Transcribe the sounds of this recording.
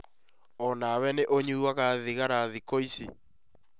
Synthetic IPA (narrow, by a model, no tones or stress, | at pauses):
ɔnawɛneʔoɲuwaɣaðiɣaɾaðikoisi